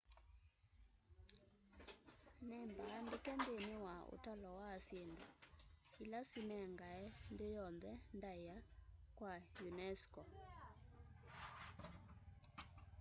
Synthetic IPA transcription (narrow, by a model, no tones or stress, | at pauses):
nɛmbaːndekɛndenewao̰talɔwasjendoilasinɛŋɡaɛndejɔnðɛndaiakwajunɛskɔ